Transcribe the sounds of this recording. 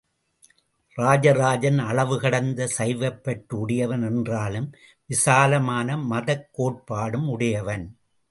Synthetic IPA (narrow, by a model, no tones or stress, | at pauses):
ɾaːd͡ʒɐɾaːd͡ʒɐnɐɭɐʋɯɣɐɽɐnd̪ɐsɐɪʋɐpːɐʈːɯʊɽɐjɐʋɐnɛndraːlɯm | ʋɪsaːlɐmaːnɐmɐðɐkːoːʈ̚paːɽɯmʊɽɐjɐʋɐn